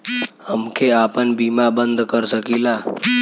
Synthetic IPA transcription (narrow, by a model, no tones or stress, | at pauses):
əmkʰeaːpənbimabənd̪kəɾsəkila